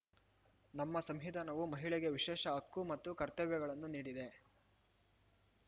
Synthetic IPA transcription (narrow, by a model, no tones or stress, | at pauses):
nɐmːɐsɐmɦid̪ʱaːnɐʋumɐɦiɭɛɡe̞ʋiʃɛːʃɐɐkːumɐt̪ːukɐɾt̪ɐʋjɐɡɐɭɐnːuniːɽid̪e̞